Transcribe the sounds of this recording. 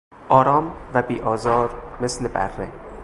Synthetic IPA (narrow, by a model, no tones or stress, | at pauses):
ʔɒːɾɒːmvæbiːʔɒːzɒːɾmeslebæ̰rːḛ